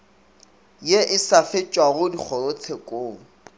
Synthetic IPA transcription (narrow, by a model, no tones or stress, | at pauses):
jeʔɪsafɪt͡ʃʼwaɣʊdik͡xʰɔot͡sʰekʼoː